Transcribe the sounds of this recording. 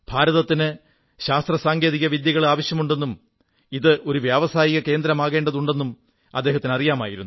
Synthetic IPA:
b̥ʱaːɾɐðɐt̪ːinɨ | ɕaːst̪rɐsaːŋɡeːðiɣɐʋid̪jɐɣɐɭaːʋɐɕjɐmuɳɖe̞nːum | iðɨʔo̞ɾuʋjaːʋɐsaːjiɣɐke̞ːnd̪ɾɐmaːɣe̞ːɳɖɐðuɳɖe̞nːum | ɐd̪ːeːɦɐt̪ːinɨɐrijaːmaːjiɾunːu

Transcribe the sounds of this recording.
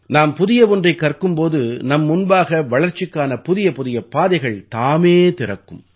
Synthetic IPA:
naːmpʊðɪjɐʋɔndrɐɪkːɐrkɯmpoːðɯnɐmːʊnbaːɣɐʋɐɭɐɾt͡ʃːɪkːaːnɐpʊðɪjɐpʊðɪjɐpːaːðɐɪɣɐɭt̪aːmeːt̪ɪrɐkːɯm

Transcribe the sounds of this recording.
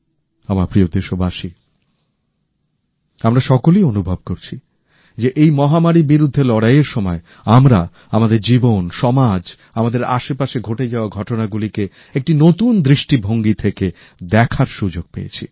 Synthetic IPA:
amaɾpɾiod̪eʃobaʃi | amɾaʃɔkolionubʱob̚koɾt͡ɕʰi | d͡ʑeʔejmɔɦamaɾibiɾud̪ʱːelɔɽajeɾʃɔmɔe | amɾa | amad̪eɾd͡ʑibonʃɔmad͡ʑ | amad̪eɾa̰ʃepaʃeɡʱoʈed͡ʑaoaɡʱɔʈonaɡulike | ek̚ʈinot̪und̪ɾiʃʈibʱoŋɡit̪ʰeke | d̪ɛkʰaɾʃud͡ʑoɡ̚pḛjḛt͡ɕʰḭ

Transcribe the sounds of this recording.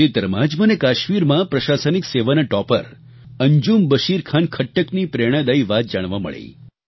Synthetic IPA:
et̪əɾəmãd͡ʒmənekaʃmiɾmãpɾəʃasənikseʋanəʈɔpəɾ | əɲd͡ʒumbəʃiɾkʰankʰəʈːəknipɾeɽ̃ə̃d̪əiʋat̪̚d͡ʒaɽ̃ʋãmə̰ɭḛi

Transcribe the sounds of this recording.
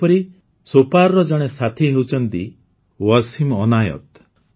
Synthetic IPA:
pɔɾi | sopaɾɾɔd͡ʒɔɽ̃esat̪ʰiɦewt͡ʃʰɔnt̪i | wɔsimɔnajɔ̰t̪

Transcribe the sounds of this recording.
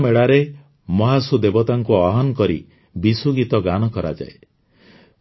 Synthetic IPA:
meɽaɾe | mɔɦasud̪ebɔt̪aŋkuɔɦɔnɔkɔɾḭ | bisuɡit̪ɔɡanɔkɔɾa̰d͡ʒa̰e

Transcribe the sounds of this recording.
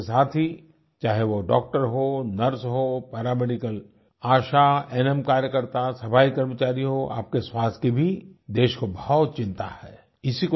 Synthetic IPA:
saːt̪ʰɦi | t͡ʃaːɦeʋoɖɔ̰ːk̚ʈəɾɦonɐɾsɦopɛːɾaːmeɖɪkəl | aːʃaɛːnɛmkaːɾjəkəɾt̪asɐpʰaːikɐɾmət͡ʃaːɾiɦoʔa̰ːp̚keswaːst̪ʰkibʱid̪eːʃkobɐɦɔt̪̚t͡ʃɪ̃nt̪a̰hɛː | ɪsiko

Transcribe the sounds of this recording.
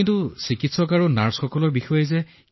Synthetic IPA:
ntusikitsɔkaɹunaɹsxɔkɔlɔɹbixɔjɛzɛ

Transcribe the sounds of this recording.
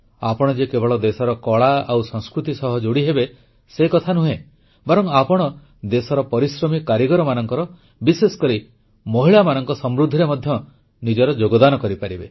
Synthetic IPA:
apɔɽ̃ɔd͡ʒekebɔɭɔd̪esɔɾɔkɔɭaawsɔŋskɾut̪isɔɦɔd͡ʒoɽiɦebe | sekɔt̪ʰanuɦe | bɔɾɔŋapɔɽ̃ɔ | d̪esɔɾɔpɔɾisɾɔmikːaɾiɡɔɾɔmanɔŋkɔɾɔ | bisesɔ̥kɔɾi | mɔɦiɭamanɔŋkɔsɔmɾud̪ʱiɾemɔd̪ʱjɔ | nid͡ʒɔɾɔd͡ʒoɡɔd̪anɔkɔɾipaɾibe

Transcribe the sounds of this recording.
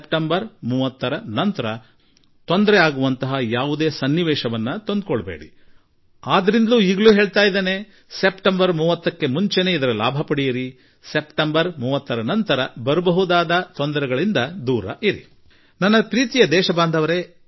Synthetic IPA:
epʈɐmbɐɾmuːʋɐt̪ːɐɾɐnɐnt̪ɐɾɐ | t̪o̞nd̪ɐɾɛaːɡuʋɐnt̪ɐɦɐjaːʋud̪e̞ːsɐnːiʋɛːʃɐʋɐnːɐt̪o̞nd̪̚koɭɐbḛːɽḭ | aːd̪ɐɾind̪ɐluːiːɡɐɭuːɦeːɭt̪aːjd̪eːne̞ | se̞pʈɐmbɐɾmuːʋɐt̪ːɐkːe̞muɲt͡ʃene̞ːid̪ɐɾɐla̰ːbʱɐpɐɽijɐɾi | sepʈɐmbɐɾmuːʋɐt̪ːɐɾɐnɐnt̪ɐɾɐbɐɾubɐɦud̪aːd̪ɐt̪ond̪ɐɾɛɡɐɭind̪ɐd̪uːɾɐ̰ʔiɾḭ | nɐnːɐpɾiːt̪ijɐd̪ɛːʃɐbaːnd̪ʱɐʋɐɾe

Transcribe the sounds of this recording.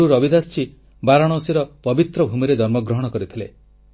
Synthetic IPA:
uɾɔbid̪ast͡ʃʰi | baɾaɽ̃ɔsiɾɔpɔbit̪ɾɔbʱumiɾed͡ʒɔɾmɔɡɾɔɦɔɽ̃ɔkɔɾit̪ʰile

